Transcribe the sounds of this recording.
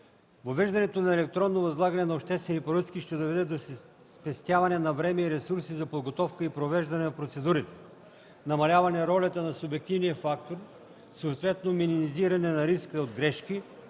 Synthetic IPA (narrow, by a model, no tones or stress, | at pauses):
vovɛʒd̪ɐnɛt̪onɐɛlɛk̚t̪ɾɔnːovɐzlˠaɡɐnɛnɐopʃt̪ɛst̪vɛnipoɾɤt̪skiʃt̪ɛd̪ovɛd̪ɛd̪os | spɛst̪ʲjavɐnɛnɐvɾɛmɛiɾɛsuɾsizɐpod̪ɡot̪ɔfkəipɾovɛʒd̪ɐnɛnɐpɾot̪sɛd̪uɾit̪ɛ̥ | nɐmɐlʲavɐnɛɾɔlʲɐt̪ɐnɐsʊbɛk̚t̪ivnijəfakt̪oɾ | soːt̪vɛt̪nominimiziɾɐnɛnɐɾiskəod̪ɡɾɛʃki